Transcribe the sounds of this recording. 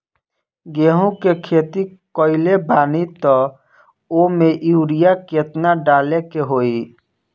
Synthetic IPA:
ɡeːɦũkekʰeːt̪ikɔɪlebʱaːnit̪ɔ | omẽʔjuːɾijaket̪naɖaːlekeɦoːi

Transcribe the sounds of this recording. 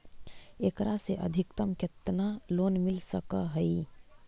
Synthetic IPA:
eːkɾaseʔə̰d̪ʱɪkt̪əmket̪naloːnmɪlsəkəɦəi

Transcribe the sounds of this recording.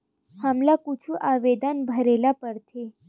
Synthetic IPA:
həmlakut͡ʃʰuʔaʋed̪anbʱəɾelapəɾt̪ʰe

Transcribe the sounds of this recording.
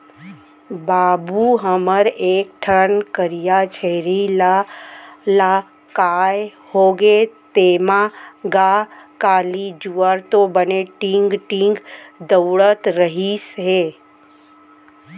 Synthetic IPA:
baːbuɦəməɾeːk̚ʈʰənkəɾijat͡ʃʰeɾila | la | kaːj | hoːɡet̪eːmaɡaːkaːlid͡ʒuaɾt̪obəneʈɪ̃ŋɡʈɪ̃ŋɡd̪əwɽət̪ɾəɦisɦeː

